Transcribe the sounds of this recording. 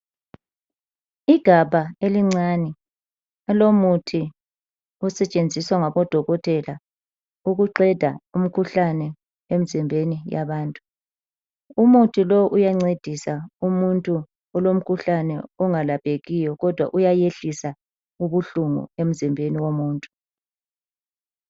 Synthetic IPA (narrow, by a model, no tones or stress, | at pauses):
iɡ̥ʱaβaeliŋ͡ǀanɛ | ɛlomutʰi | ɔsɛt͡ʃʼend͡zʱiswaŋaβɔd̥ʱɔɣɔtʰʼɛla | uɣuǃɛd̥ʱa̰um̩kʰuɬanɛ | em̩zimbʱenija̰βaːntʼu̥ | umutʰilɔʔujaŋ͡ǀed̥ʱisaumuntʼu | ɔlom̩kʰuɬanɛɔŋalab̥ʱeɣijɔɣɔd̥ʱwa̰ʔujajeɬisa | uβuɬuŋṵem̩zimbʱeniwomuːntʼu̥